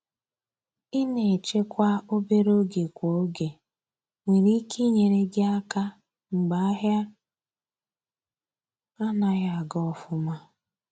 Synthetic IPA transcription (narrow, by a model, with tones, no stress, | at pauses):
ɪ˦ne˨e˨t͡ʃe˦kʷa˦o˦be˦ɾo˦ɡe˨kʷo˨˦ɡe˨ | ŋʷe˨ɾi˦ke˦ɲe˨ɾe˦ɡɪ˦a˦ka˦ | ŋ͡m̩˨ɡ͡ba˨a˦ɦja˦ | a˦na˨ɣa˨a˨ɡɔ˦ɔ˨fʊ˦ma˦